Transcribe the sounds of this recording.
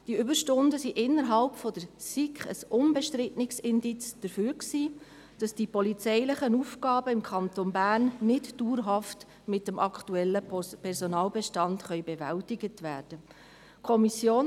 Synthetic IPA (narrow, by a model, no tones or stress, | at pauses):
d̥iʏbəɾʃtʊndəsiʔɪnːəɾɦɑlpfɔd̥əɾsikχə̰sʊnbɛʃtɾɪtnɪksɪndit͡sd̥əɾfyːɾksiː | d̥ɑsd̥ipɔlit͡sɛɪlɪχənufɡɑːbəɪmkʰɑntonbæːrnːɪtduːɾɦɑft | mɪtəmʔɑkʰtuɛlːəpʰɛɾsɔnɑːlbɛʃtɑntχœʏbɛvæltɪɡətʋæːrd̥ə | kʰɔmisjoːn